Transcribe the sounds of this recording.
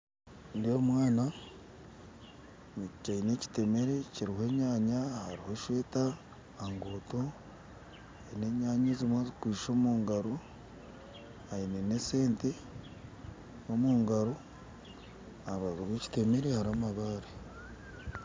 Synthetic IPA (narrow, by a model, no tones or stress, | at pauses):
ndijomwaːna | mucicaine̞ci̥te̞me̞ɾeciɾihe̞ːɲaːɲahaɾiho̞ʃwe̞ːtaː | ŋɡoːto̞ | aine̞ɲaːɲezimwazikwiːʃo̞ːmuːŋɡaɾo | ainenese̞ːnte | omuːŋɡaɾo | aɾaziβweci̥te̞me̞ɾehaɾamaβaːɾe